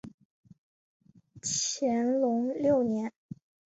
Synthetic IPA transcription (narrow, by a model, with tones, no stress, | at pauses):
t͡ɕʰjɛ˧˥nlʊ˧˥ŋljo˥˩ʊnjɛ˧˥n